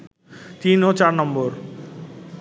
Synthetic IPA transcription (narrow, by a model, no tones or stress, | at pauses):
t̪inot͡ɕaɾnɔmboɾ